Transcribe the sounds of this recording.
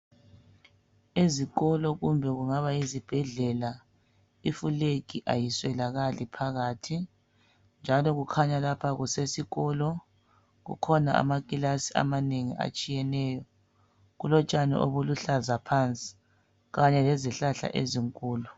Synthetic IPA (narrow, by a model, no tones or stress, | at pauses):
eziɣɔlɔɣumbʱɛɣuŋaβajizib̥ʱɛɮɛla | ifulekiʔajiswɛlaɣalipʰaɣaːtʰi | nd͡ʒʱalɔɣukʰaɲalapʰaɣusesiɣɔːlɔ | ɣṵkʰɔnaa̰makʼilasia̰maneŋḭʔa̰t͡ʃʼijɛnɛːjɔ | ɣulɔt͡ʃʼanɛ̰ʔo̰βuluɬazapʰant͡sʼi̥ | ɣaɲɛlɛziɬaɬa̰ʔeziŋkʼuːlu